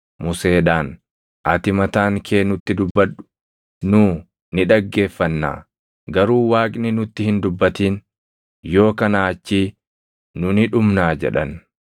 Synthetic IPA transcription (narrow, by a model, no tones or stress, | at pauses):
mʊse̞ːᶑaːn | ʔɐt̪ɪmɐt̪aːŋkʰe̞ːnʊt̪ːɪd̪ʊbːɐᶑʊ̥ | nʊː | nɪᶑɐɡːe̞ːfːɐnːa̰ː | ɡɐɾuːwaːkʼnɪnʊt̪ːɪhɪnd̪ʊbːɐt̪iːn | jo̞ːkɐnaːt͡ʃːiː | nʊnɪᶑʊmnaːd͡ʒɛ̰ᶑɐn